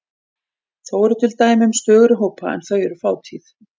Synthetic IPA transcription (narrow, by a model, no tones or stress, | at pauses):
θawɛɾʏt̪ʰɪlt̪aːjmɪʏmst̪œːɣɾʏɦoːwpaɛ̰nθœɥɛɾʏfaːwt̪ʰiːθ